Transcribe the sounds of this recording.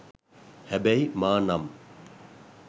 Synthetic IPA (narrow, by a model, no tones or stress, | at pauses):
hɛbɛjmaːnɐm